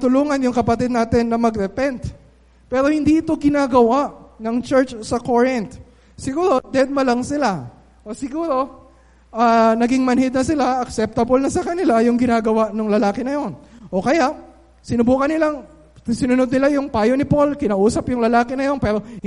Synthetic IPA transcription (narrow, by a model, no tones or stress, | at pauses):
t̪ʊluːŋɐnjʊŋkɐpɐt̪ɪd̪̚naːt̪ɪnːɐmɐɡɾɛpɛnt̪̚ | pɛːɾo̞hɪnd̪iʔɪt̪o̞ɡɪnaːɡɐwaʔnɐŋt͡ʃɛɹt͡ʃsɐkoɹɪnt̪̚ | sɪɡuːɾo̞d̪ɛd̪̚mɐlɐŋsɪla | ʔosɪɡuːɾo̞ | ʔanɐɡɪŋmɐnhɪd̪̚nɐsɪlaʔɐksɛp̚t̪ɐbolnɐsɐkɐnɪlajʊŋɡɪnaːɡɐwaʔnʊŋlɐlaːkɛnɐjo̞nʔo̞kɐjaʔ | sɪnʊbuːkɐnːɪlaŋ | sɪnʊnod̪̚nɪlajʊŋpaːjo̞nɪpo̞lkɪnaːʔuːsɐpjʊŋlɐlaːkɪnɐjo̞npɛːɾo̞